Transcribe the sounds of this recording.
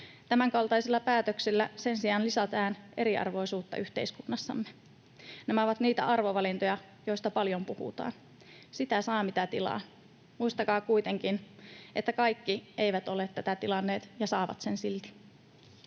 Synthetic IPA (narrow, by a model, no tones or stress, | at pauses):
t̪æmæŋkɑlt̪ɑjselːɑpæːt̪øksilːæse̞nsiɑːnlisɑt̪æːne̞ɾiɑ̰rʋo̞jsuːt̪ːɑ̰ʔyht̪e̞iskunːɑsːɑ̰mːe | nemæoʋɑt̪niːt̪æ̰ʔɑrʋoʋɑlint̪ojɑ | joist̪ɑpɑljo̞mpuhṵt̪ɑ̰ːn | sit̪æsɑːmit̪æt̪ilɑ̰ː | muist̪ɑkɑːkuijt̪e̞ŋkinʔet̪ːækɑjkːiʔe̞jʋæt̪o̞let̪tːæt̪æt̪ilɑnːeːt̪jɑsɑːʋɑ̰t̪sensilt̪i̥